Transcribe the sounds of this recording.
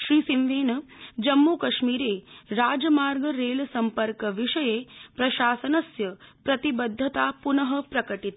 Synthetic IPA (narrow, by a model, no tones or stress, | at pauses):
ʃɾiːsimʋeːnɐd͡ʒɐmːuːkɐʂmiːɾeːɾaːd͡ʒɐmaːɾɡɐɾeːlsɐmpɐɾkɐʋiʂɐjeːpɾɐʃaːsɐnɐsjɐpɾɐt̪ibɐd̪ʱːɐt̪aːpunɐɦɐpɾɐkɐʈit̪